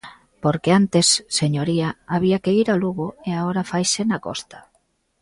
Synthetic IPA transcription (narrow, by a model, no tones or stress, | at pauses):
poɾkeant̪esːeɲoɾiaaβiakeiɾaluɣoeaɣoɾafajsenakɔ̰st̪ḁ